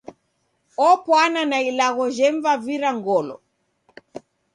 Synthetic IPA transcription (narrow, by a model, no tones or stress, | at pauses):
ɔpwananailaɣɔʒɛɱvaviɾaŋɡɔlɔ̰